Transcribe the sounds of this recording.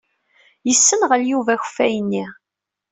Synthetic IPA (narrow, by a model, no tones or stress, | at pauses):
jəsːənʁəljuvæç̥fæjənːi